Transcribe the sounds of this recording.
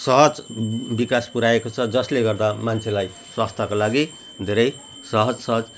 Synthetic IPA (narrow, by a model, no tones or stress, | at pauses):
sʌɦʌd͡zbikaspuɾaekot͡sʰʌd͡zʌsleɡʌrd̪amant͡sʰelaj | swast̪ʰakolaɡi | d̪ʱeɾʌj | sʌɦʌd͡zsʌɦʌd͡z